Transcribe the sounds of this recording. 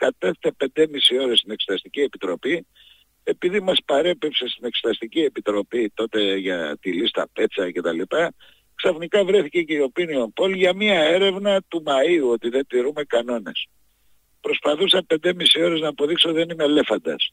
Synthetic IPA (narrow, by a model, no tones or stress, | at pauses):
kɐt̪e̞θet̪epe̞nd̪emisio̞ɾest̪ine̞kse̥t̪ɐst̪icie̞pit̪ɾo̞pi | e̞piðimɐspɐɾe̞pipsest̪ine̞kse̥t̪ɐst̪icie̞pit̪ɾo̞pit̪o̞t̪e̞ʝɐt̪ilist̪ɐ̰pe̞t͡sɐce̞t̪ɐlipɐ | ksɐfnikɐvɾe̞θiceceio̞pinio̞mpo̞lʝɐmiɐe̞ɾe̞vnɐt̪umɐiuo̞t̪iðe̞nt̪iɾume̞kɐno̞ne̞̰s | pɾo̞spɐθusɐmpe̞nd̪emisio̞ɾe̞znɐːpo̞ðikseot̪iðe̞nime̞le̞fɐnd̪ɐ̰s